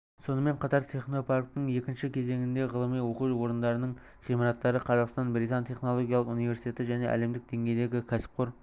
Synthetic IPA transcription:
so̞nəme̞ɴqʰɑt̪ɑɾt̪ʰe̞χno̞pʰark̚t̪əɴe̞kʲɪnʃɪkʲʰe̞ze̞ŋɪnd̪e̞ʁəlˠəmijwo̞quwo̞ɾənd̪ɑɾənəɴ | ʁijmɑɾɑt̪ːɑɾəqʰɑzɑqst̪ɑnbɾijt̪ɑnt̪ʰʲe̞χno̞lˠo̞ɡʲjɑlˠəqunijve̞ɾsit̪ʰʲe̞t̪ɪʒæne̞ʔæ̰le̞md̪ɪk̚d̪̥e̞ŋɡʲe̞jd̪e̞ɡʲɪkʲʰæsɪ̥p̚qoɾ

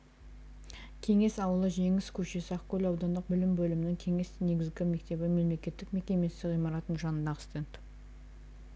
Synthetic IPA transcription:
kʲʰe̞ŋe̞sɑwəlˠəʒe̞ŋɪskʲʰɵʃe̞sɪɑqkʲʰɵlɑwd̪ɑnd̪əq̚bɪlɪmbɵlɪmɪnɪŋkʲʰe̞ŋe̞sne̞ɡʲɪzɡʲɪme̞kt̪e̞bɪme̞mle̞kʲe̞t̪ːɪkme̞kʲe̞me̞st̪ɪkʁijmɑɾɑt̪ənʒɑnənd̪ɑʁə̥st̪ent̪

